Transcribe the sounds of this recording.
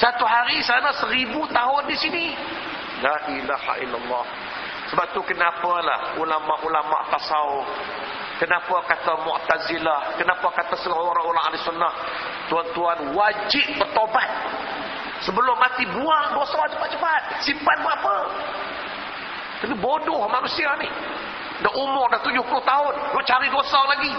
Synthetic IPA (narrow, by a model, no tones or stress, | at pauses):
sat̪uɦaɾisanasəɾibut̪aɦʊndisini | laʔilaha̰ilːalːɑh | səbap̚t̪ukənapala̰hulamaʔulama̰ʔpasaʊ | kənapakat̪amʊ̰ʔt̪azilahkənapakat̪asəoɾaoɾaŋa̰lɪsunːah | t̪uant̪uanwad͡ʒɪp̚bərt̪obat̪̚ | səbəlʊmːat̪ibuaʔdosad͡ʒəpat̪̚d͡ʒəfat̪̚sipat̪̚muapə | k̪anibodɔhmanusianɪh | daʔumʊrdaht̪ud͡ʒʊhpulot̪aʊnloʔt͡ʃaɾidosalaɡi